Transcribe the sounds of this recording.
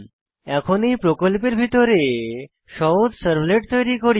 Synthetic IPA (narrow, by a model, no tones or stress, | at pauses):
ɛkʰonejpɾokolpeɾbʱit̪oɾe | ʃɔod̪səɾbleʈ̚t̪ojɾikoɾi